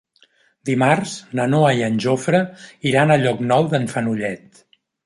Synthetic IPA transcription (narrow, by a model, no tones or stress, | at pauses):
d̪imarznənoəiənʲʒofɾəiɾanəʎɔknɔwðəɱfənuʎɛt̪